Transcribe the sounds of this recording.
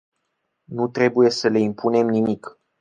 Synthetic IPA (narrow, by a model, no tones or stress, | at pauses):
nut̪ɾe̞buje̞səle̞impʰune̞mnimik